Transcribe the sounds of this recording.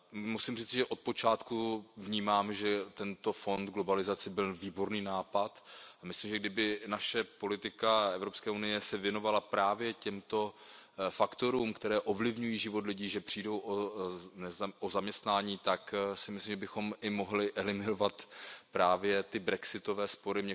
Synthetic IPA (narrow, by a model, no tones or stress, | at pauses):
musimr̝iːt͡sɪʒɛʔo̞t̪̚po̞t͡ʃaːt̪kuvɲiːmaːmɛʒɛt̪ɛnt̪o̞fo̞nd̪ɡlo̞balɪzat͡sɪbɪlviːbo̞ɾniːnaːpat̪amɪslimʒɛɡdɪbɪnaʃɛpo̞lɪt̪ɪkaɛvɾo̞pskɛːunɪjɛsɛvjɛno̞valapɾaːvjɛcɛmt̪o̞fakt̪o̞ɾuːmkt̪ɛɾɛːʔo̞vlɪvɲujiːʒɪvo̞t̪lɪɟiːʒɛpr̥iːdo̞wʔonɛʔozamɲɛst̪naːɲiːt̪aksɪmɪslimʒɛbɪxo̞mɪmo̞ɦlɪʔɛlɪmɪnovat̪pɾaːvjɛt̪ɪbɾɛksɪt̪o̞vɛːspo̞ɾɪmɲɛ